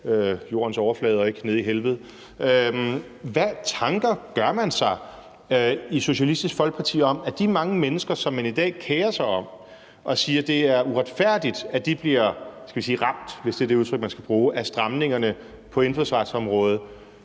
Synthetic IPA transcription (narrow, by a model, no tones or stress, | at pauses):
øjo̝̰ːɐnsɒʊɐflɛːð̞ˠɒe̝ɡ̥ne̝ð̞̰ˠiɦelʋð̩ˠ | ø | ʋæt͡sʰɑ̈ŋɡ̥ɐɡ̥ɶɐmænsɑ̈ɪ | iso̝ɕælisd̥isɡ̥fɒlɡ̥̚pʰɑ̈t͡sʰḭːɒ̽mæd̥imɑ̈ŋəmenəsɡ̥ɐsɒ̽mːænid̥ɛ̰ːkʰeːɐsɑ̈ɪɒ̽m̰ | ʔɒ̽siːɐd̥e̝æɐuʁad̥fæɐ̰d̥id̥æd̥ib̥liɐ̰sɡ̥æʋis̬iːʁɑ̈m̰d̥ʋe̝sd̥e̝ɐd̥e̝uðˠt͡sʰʁœɡ̥̚mænsɡ̥æb̥ʁuːʔæsd̥ʁɑ̈mne̝ŋɐnə | pʰɒ̽e̝nd̥fosʋɑ̈d̥sɒ̽mʁɔ̽ːð̞̩ˠ